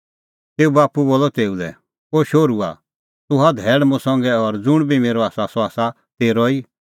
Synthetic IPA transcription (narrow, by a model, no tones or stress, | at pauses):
t̪eːubaːpuboːlɔt̪eːulɛ̰ | oʃoːɾua̰ | t̪ʊɦad̪ʱɛːɽmʊ̃sɔ̃ŋɡɛɔɾd͡zʊɽ̃bʱimeːɾɔaːsasɔaːsa | t̪eːɾɔiː